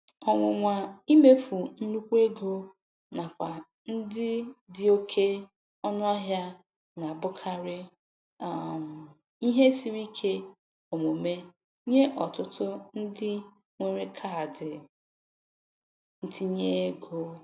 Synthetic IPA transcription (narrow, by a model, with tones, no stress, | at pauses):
ɔ˨ŋʷʊ˨ŋʷa˨i˦me˦fu˨n̩˦nu˦kʷu˦e˦ɡo˦ | na˨kʷa˨ | n̩˦dɪ˦dɪ˦o˦kʰe˦ | ɔ˦nʊ˦a˦ɦja˦ | na˨a˨bʊ˦kʰa˦ɾɪ˦ | a˨m̩˨ | i˦ɦe˦si˦ɾi˦kʰe˦ | o˨mo˨me˦ | ɲe˦ʔɔ˨tʊ˦tʊ˦n̩˦dɪ˦ | ŋʷe˨ɾe˦kʰa˦˨dɪ˨ | n̩˦tʰi˦ɲe˦e˦ɡo˦